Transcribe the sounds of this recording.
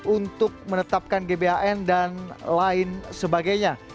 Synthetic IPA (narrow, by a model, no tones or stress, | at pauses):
unt̪ʊk̚mənət̪ap̚kanɡebeaʔɛndanlaɪnsəbaɡajɲa